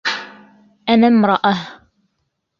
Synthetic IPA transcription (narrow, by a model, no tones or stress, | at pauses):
ʔanamɾˤɑʔah